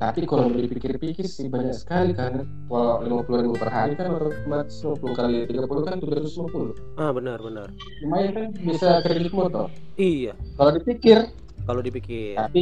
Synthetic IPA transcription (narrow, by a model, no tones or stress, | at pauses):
t̪apikalodipikɪrpikɪrsibaɲaksə̥kalikan | alalimapuluɾibupərɦaɾikanat̪aumat̪slimapuluhkalit̪iɡapulukant̪ud͡ʒat̪usimapulʊabənərbənər | t͡ʃumajakanbisakəɾiɡɪkmɔt̪ɔ̰ijakalodipikɪr | kalodipikɪapi